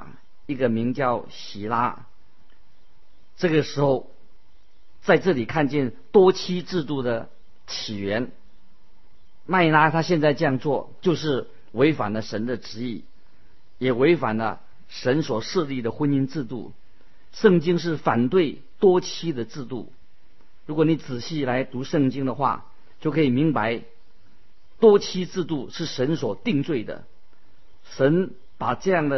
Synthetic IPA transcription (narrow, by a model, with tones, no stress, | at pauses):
i˥˩ɡə˨mi˧˥ŋt͡ɕjɑ˥˩ʊɕi˨˩la̰˥ | ʈ͡ʂɤ˥˩ɡə˩ʂɻ̩˧˥xo˥˧ʊ | t͡sa˥˧ɪʈ͡ʂɤ˥˩li˨˩kʰa˥˧nt͡ɕjɛ˥˩nt̪wɔ˥t͡ɕʰi˥ʈ͡ʂɻ̩˥˧t̪u˥˩d̪ə˩ | t͡ɕʰi˨˩ɥɛ˧˥n | ma˥˩ɪla˥t̪ʰa˥ɕjɛ˥˧nt͡sa˥˧ɪʈ͡ʂɤ˥˧jɑ˥˧ŋt͡swɔ˥˩t͡ɕjo˥˧ʊʂɻ̩˥˩ | we˧˥ɪfa̰˨˩nlə˦ʂə˧˥nd̪ə˧ʈ͡ʂɻ̩˧˥i˥˩ | jɛ˨˩we˧˥ɪfa̰˨˩nlə̰˦ | ʂə˧˥nswɔ˨˩ʂ̩˥˧li˥˩d̪ə˩xwə˥ni˥nt͡sɻ̩˥˧t̪ṵ˥˩ | ʂɤ˥˩ŋt͡ɕi˥ŋʂ̬ɻ̩˥˩fa˨˩nt̪we˥˩ɪ | t̪wɔ˥t͡ɕʰi˥d̪ə˨t͡sɻ̩˥˧t̪ṵ˥˩ | ɻu˧˥kwɔ˧˥ni˧˥t͡sɹ̩˨˩ɕi˥˩la˧˥ɪt̪u˧˥ʂɤ˥˩ŋt͡ɕi˥ŋd̪ə˨xwa̰˥˧˩ | t͡ɕjo˥˩ʊkʰɤ˧˥i˨˩mi˧˥ŋpa˧˥ɪ | t̪wɔ˥t͡ɕʰi˥t͡sɹ̩˥˧t̪u˥˩ʂɻ̩˥˩ʂə˧˥nswɔ˨˩t̪i˥˧ŋt͡swe˥˩ɪd̪ə̰˩ | ʂə˧˥n | pa˨˩ʈ͡ʂɤ˥˧jɑ˥˩ŋd̪ə˩